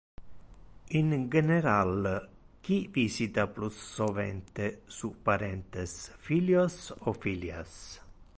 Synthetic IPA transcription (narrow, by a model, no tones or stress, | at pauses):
ind͡ʒeneɾalk̟ivisit̪aplusːovɛ̰nt̪esupːaɾɛnt̪esfiljosɔfilja̰s